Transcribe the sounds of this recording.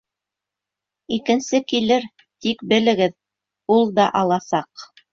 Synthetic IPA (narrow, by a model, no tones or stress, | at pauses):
ikɘ̆nsɘkilɘɾ | t̪ikbɘ̆lɘ̆ɡɘð | ulˠd̪ɑʔɑlˠɑsɑq